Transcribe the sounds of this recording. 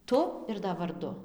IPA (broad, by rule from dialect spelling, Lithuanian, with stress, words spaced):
ˈtʊ ɪr dɐ ʋɐrˈdʊ